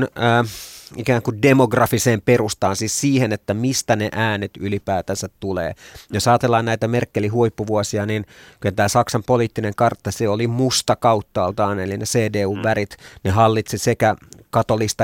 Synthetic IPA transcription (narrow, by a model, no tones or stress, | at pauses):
nː | ikæːŋkundemoɡrɑfiseːmperust̪ɑːnsiːssiːhenet̪ːæmist̪æneʔæːnet̪ylipæːt̪ænsæt̪tulḛːjosɑːt̪elːɑːnnæit̪æmerkːelihuipːuʋuosiɑninkylæt̪æːsɑksɑmpoliːt̪ːineŋkɑrt̪ːɑseolimust̪ɑkɑut̪ːɑːlt̪ɑːnelineseːdeːuːʋʋæɾit̪neɦɑlːit̪sisekækɑt̪olist̪ɑ